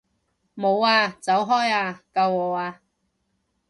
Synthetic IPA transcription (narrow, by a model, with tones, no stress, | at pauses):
mo˨˧waː˧t͡sɐ˨˥wɦɔː˥jaː˧kɐ˧wɔː˨˧aː˧